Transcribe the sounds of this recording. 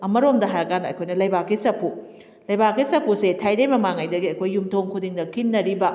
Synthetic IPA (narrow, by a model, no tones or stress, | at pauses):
ɐmɐɾomdɐɦajɾɐkanɐɐ̰jkʰojnɐlɐjbakːisɐpʰu | lɐjbakːisɐpʰusetʰajnɐjmɐmaŋajdɐɡiɐjkʰojːumtʰoŋkʰudiŋdɐkʰinːɐɾibɐ